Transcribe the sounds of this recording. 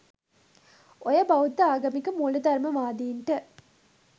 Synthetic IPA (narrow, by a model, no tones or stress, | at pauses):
ojɐbɐʋut̪ːɐaːɡɐmikːɐmuːlud̪ɐɾmɐʋaːd̪iːɳʈɐ